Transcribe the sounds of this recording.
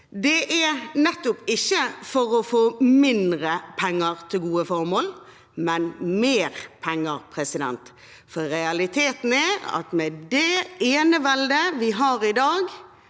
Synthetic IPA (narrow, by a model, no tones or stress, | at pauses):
d̪ɛʔæɾnɛt̪ːʊpɪçːəfɔɾɔfoːmɪnd̪ɾəpʰɛŋːəɾt̪ʰɪlɡuːəfɔɾmoːl | mɛnmeːɾpʰɛŋːəɾpʰɾɛsɪd̪ɛ̰nt̪ | fɔɾɛɑlɪt̪ʰeːt̪n̩æɾɑ̰t̪mɛd̪ɛeːnəʋɛld̪əʋɪɦɑːɾɪd̪ɑːɡ